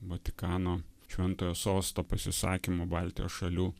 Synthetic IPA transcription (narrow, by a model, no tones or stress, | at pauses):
ʋot̪ʲɪkɑːnoːʃʲʋʲɛnt̪oːjoːsoːst̪oːpɐsʲɪsɑ̰ːkʲɪmoːbɑˑlʲt̪ʲɪjo̰ːsʃɐlʲuː